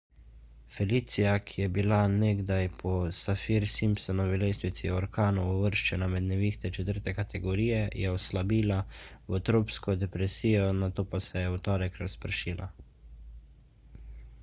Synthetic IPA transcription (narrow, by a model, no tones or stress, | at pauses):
fɛlit̪sijakʰijɛbilaneɡd̪ajpʰɔsafiɾsimpsɔnɔʋilest̪ʋit̪siɔɾkaːnuːʋəɾʃt͡ʃɛnamɛd̪nɛʋixt̪ɛt͡ʃɛt̪əɾt̪ɛkat̪ʰɛɡɔɾiːjɛjɛɔslabiːlawɔt̪ɾoːpskɔd̪ɛpɾɛsiːjɔnat̪oːpasɛjɛwt̪ɔːɾɛkɾaspɾʃiːlʔa̰